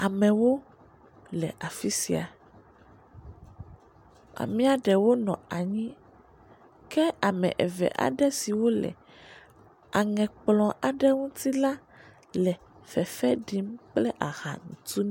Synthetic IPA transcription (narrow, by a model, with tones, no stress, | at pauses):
a˨mɛ̃˨wo˦ | lɛ˨ʔa˨fi˦sḭ˨a˨ | a̰˨mĩ˦a˨ɖɛ˨wo˦nɔ̰̃˨a˨ɲĩ˦ | kɛ˦a˨mɛ̰̃˨ʔɛ˨vɛ̰˨ʔa̰˨ɖɛ˦si˨wo˦lɛ̰˨ | a˨ŋɛ̃˨k͡plɔ̃˨ʔa˨ɖɛ˦ŋũ˦t̪i˦la˦ | lɛ˨ | fɛ˨fɛ˦ɖi˦mk͡plɛ˦ʔa˨ɣa̰˨ŋũ˨t̪u˦n˦